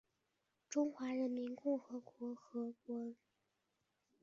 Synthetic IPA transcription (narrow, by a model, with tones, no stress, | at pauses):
ʈ͡ʂʊ˥ŋxwa˧˥ɻə˧˥nmi˧˥nkʊ˥˩ŋxɤ˧˥kwɔ˧˥xɤ˧˥kwɔ˧˥